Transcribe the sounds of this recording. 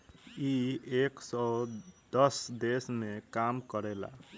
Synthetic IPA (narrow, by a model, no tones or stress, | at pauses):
ieksɔd̪ʌsd̪esmekamkəɾɛla̰